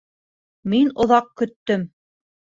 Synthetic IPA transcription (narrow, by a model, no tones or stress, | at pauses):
minŏðɑq̚kɵ̆t̪ːɵm